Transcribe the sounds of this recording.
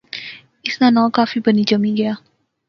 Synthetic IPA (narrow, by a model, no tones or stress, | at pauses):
ʔisnanɔlkafibənid͡ʒəmiɡa